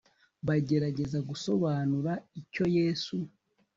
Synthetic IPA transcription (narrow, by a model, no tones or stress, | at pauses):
βaɟe̞ɾaɟe̞zaɡuso̞βaːnuɾaico̞je̞ːsu